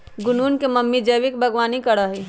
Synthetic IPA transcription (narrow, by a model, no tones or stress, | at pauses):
ɡʊnuːnkemɐmːid͡ʒəʋɪkbʱəɡwaːnikəɽaɦiː